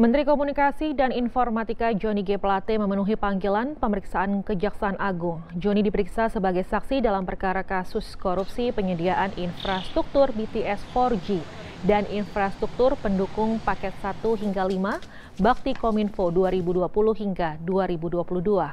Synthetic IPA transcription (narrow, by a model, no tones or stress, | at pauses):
mənt̪ɾikomunikasidaninfɔrmat̪ikad͡ʒoniɡeplat̪eməmənuɦipaŋɡilanpəməɾiksaʔankəd͡ʒaksaːnʔaɡʊŋd͡ʒonidipəɾiksasəbaɡajsaksidalampərkaɾakasʊskoɾup̚sipəɲədiaʔaninfɾast̪ɾuk̚t̪ʊrbit̪iʔɛsfɔrd͡ʒi | danʔinfɾast̪ɾuk̚t̪ʊrpəndukʊŋpakɛt̪̚sat̪uɦiŋɡalima | bak̚t̪ikominfoduaɾibuduapulʊhhiŋɡaduaɾibuduapuluhdua